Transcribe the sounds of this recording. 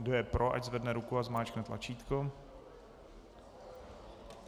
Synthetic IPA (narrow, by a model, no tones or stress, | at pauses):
dojɛpɾʔoʔa̰ɟzvɛdnɛɾukuazmaːt͡ʃknɛt̪lʔa̰t͡ʃiːt̪ko